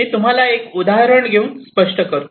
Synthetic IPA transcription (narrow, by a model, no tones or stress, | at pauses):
iːt̪um̤alaekud̪aɦɾəɳɡʱeũnspəʂʈəkəɾ